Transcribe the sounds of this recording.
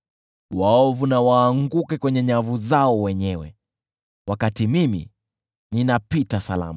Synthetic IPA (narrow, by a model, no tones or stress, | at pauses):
waɔvunawaːŋɡukɛkwɛɲɛɲavuzaɔwɛɲɛwɛ̰ | wakatimimḭ | ninapitasala̰ma